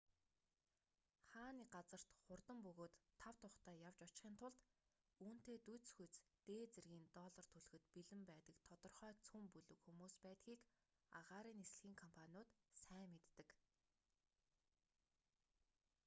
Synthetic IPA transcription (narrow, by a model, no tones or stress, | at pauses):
χaːniɢat͡sə̆r̥t̪χʊrt̪ə̆mpɵɣoːt̪ʰːaw̥t̪ʰʊχt̪æːjawt͡ɕɔ̥t͡ɕχiːnt̪ʰʊɮt̪ | uːn̥t̪eːt̪ut͡sxut͡st̪eːt͡serɣiːnt̪ɔɮə̆r̥t̪ʰɵɮɵ̆xɘ̆t̪piɮɘ̆mpæːt̪ə̆kt̪ʰɔt̪ɞ̆rχœːkt͡sʰumpuɮɵ̆kxumuːspæːt̪xiːk | a̰ʁaːɾiːnes̆ɮxiːŋkʰɔmpʰanʲʊːt̪sæːmːet̪ːɘ̆k